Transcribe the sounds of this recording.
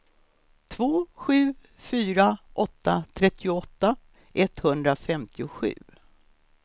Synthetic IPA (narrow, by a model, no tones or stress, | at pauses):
t̪ʰvoːɧʉ̟ː | fyːɾaʔɔt̪ːat̪ʰɾɛt̪ʰːɪʊɔt̪ːa | ʔɛt̪hɵnd̪ɾafɛmt̪ʰɪʊɧʉ̟̰ː